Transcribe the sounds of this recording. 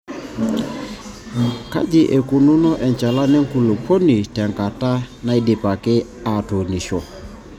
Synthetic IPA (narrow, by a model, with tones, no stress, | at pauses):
ka̰˦d͡ʒɪ˨ʔe˨ku˨nu˦nɔ˦ʔɛ˨ɲt͡ʃa˨la˦nɪ˦ŋ̩˦ku˨lo˨pʰo˦ni˨tɛ˨ŋka˨ta˦na˦i˦dɪ˨pa˨kɪ˦ | a˨to˨ni˨ʃɔ˨